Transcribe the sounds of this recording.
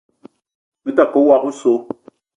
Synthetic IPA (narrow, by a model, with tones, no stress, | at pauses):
mi˦ta˨ko˨˦wa˨ku˦so˨˦